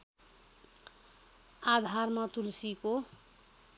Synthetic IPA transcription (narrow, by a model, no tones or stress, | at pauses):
ad̪ʱarmat̪ulsiko